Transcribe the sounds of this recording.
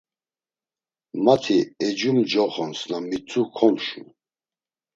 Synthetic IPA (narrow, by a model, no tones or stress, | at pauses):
mat̪ʰiɛd͡ʒumd͡ʒɔχɔnsnamit͡sʰʼukʰɔmʃṵ